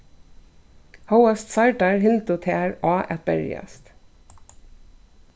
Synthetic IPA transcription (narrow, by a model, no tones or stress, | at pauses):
haʊəst̪sɑɪɖɑɹhɪnt̪ʊt̪ʰeːæɹɑːʔɛt̪̚bɛ̰ɹɪ̰ə̰st̪